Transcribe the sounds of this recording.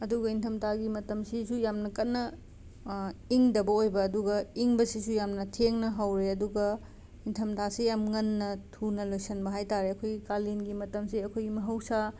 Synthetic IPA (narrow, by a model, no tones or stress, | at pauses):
ɐduɡɐintʰɐmtʰaɡimɐtɐmsisujamnɐkɐt̚nːɐ | iŋdɐbɐojbɐːduɡɐiŋbɐsisujamnɐtʰeŋnɐɦɐwɾeɐduɡɐ | intʰɐmtʰasijamŋɐnːɐtʰunɐlojsɐnbɐɦajtaɾeɐkʰojɡikalinɡimɐtɐmsiɐkʰojɡimɐɦɐwsa